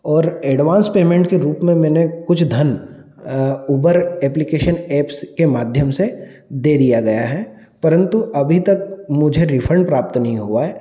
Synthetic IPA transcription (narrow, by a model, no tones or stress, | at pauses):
ɔːɾɛːɖʋãːnspeːmẽːɳʈkeɾuːpmẽmɛːnekʊt͡ʃʰd̪ʱɐn | uːbəɾɛːplɪkeːʃənɛːpskemaːd̪ʱjəmse | d̪eːd̪ijaɡɐjaɦɛː | pɐɾə̃nt̪uʔɐbʱit̪ɐk̚mʊd͡ʒʱeɾɪfʰɾə̃ɳɖpɾaːpt̪nɐɦĩɦuaɦɛː